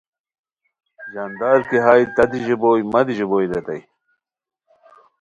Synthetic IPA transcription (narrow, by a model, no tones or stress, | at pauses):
d͡ʑɐnd̪aːɾkiɦaːjt̪ɐd̪iʑiboːjmɐd̪iʑiboːjd̪et̪ɐj